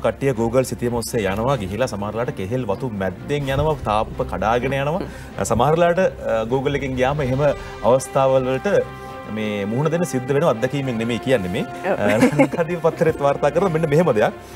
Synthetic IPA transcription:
kɐʈːijəɡuːɡəlsit̪ijəmosːejjanɐʋaɡiɦilasɐmaɦaɾlaːʈəkeɦelʋɐt̪umæd̪ːeŋjanəʋat̪aːpupəkaɖaːɡenəjanəʋa | samaɦaɾɐlaːʈəɡuːɡəlːekeŋɡijaːməeɦemə | a̰ʋɐst̪ʰaːʋəlʋəlʈə | meːmuɦunəd̪enːəsid̪ːəʋenəʋad̪ːɛkiːmeŋnemeːkijanːemeː | nɡad̪iːʋəpɐt̪ʰːɐɾet̪ːʋaːrt̪aːkəɾɐnɐmenːəmeɦeməd̪ɐjak̚

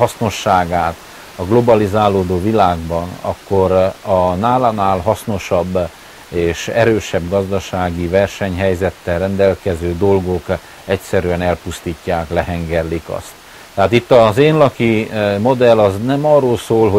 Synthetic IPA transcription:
ɒsno̞ʃːaːɡaːt̪ | ɒɡlo̞bɒlizaːlːoːd̪oːvilaːɡbɒnɒ̰kːo̞ɾɒnaːlanaːlɦɒsno̞ʃɒbː | eːʃɛɾøːʃɛbɡɒzd̪ɒʃaːɡivɛrʃɛɲɦɛjzɛt̪ːɛlrɛnd̪ɛlkɛzøːd̪o̞lɡo̞k | ɛcsɛɾyɛnɛlpust̪iːcːaːklɛɦɛŋɡɛrlikɒ̰st̪ː | ɛɦaːt̪it̪ːɒzeːnlɒkimo̞d̪ɛlɒznɛmɒrːoːlsoːlɦo

